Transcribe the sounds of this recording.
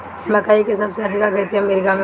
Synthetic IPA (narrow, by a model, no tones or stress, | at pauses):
mɐkaːikesɐbseɐd̪ʱɪkakɐt̪ʰimeɾikame